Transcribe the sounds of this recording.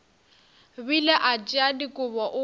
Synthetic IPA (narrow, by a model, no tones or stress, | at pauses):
bilɛʔat͡ʃʼiadikʼʊβɔʔʊ